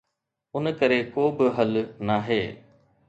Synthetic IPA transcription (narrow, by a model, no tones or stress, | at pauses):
ʊnkəɾekoːbɪɦəlnaːɦeː